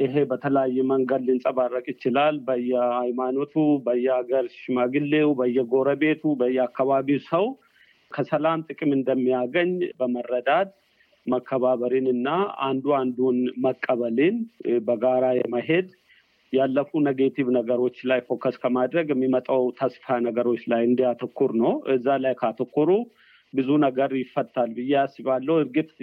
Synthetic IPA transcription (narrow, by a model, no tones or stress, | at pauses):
ʔɪɦe̞bət̪ʰələjajːɛməŋɡəd̪lɪnsʼɐbarːɐkʼɪt͡ʃːɪlalbəjːɛajmaːnot̪ʰubəjːɛaɡəɾʃɪmaɡɨlːewbəjːɛɡo̞ɾəbe̞ːt̪ubəjːɛakːaβaβiwsəw | kʰəsɐlamt̪ʼɨkʼɪmɨnd̪əmːijaɡəɲːbəmərːəd̪ad̪ | məkʰːəβaːβəɾinɨnːaa̰nd̪uand̪unməkʼːəβəlinbəɡaɾajɛməɦe̞d̪ | jalːəfunəɡet̪ʰiβnəɡəɾo̞t͡ʃːlajfo̞kːəskʰəmad̪ɾəɡɛmːimət̪ʼawt̪ʰəsfanəɡəɾo̞t͡ʃːlajɨnd̪ijat̪ʰəkʰːuɾnəwɨzːalajkʰəat̪ʰəkːuɾu | bɨzunəɡəɾjɪfːət̪ːalbɨjːasiβalːəwɨɾɡɨt̪